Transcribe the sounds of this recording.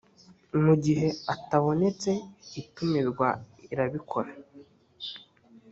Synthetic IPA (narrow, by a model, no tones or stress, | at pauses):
muɟiɦe̞ataβo̞ne̞t͡se̞itumiɾɡwaiɾaβikʰo̞ɾa